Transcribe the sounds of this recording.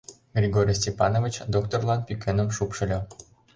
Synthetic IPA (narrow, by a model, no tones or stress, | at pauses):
ɡrʲiɡoɾʲijs̬ʲtʲepɑnovʲit͡ɕd̪okt̪orlˠɑnpʲykʲenə̆mʃupʃə̆lʲɤ̆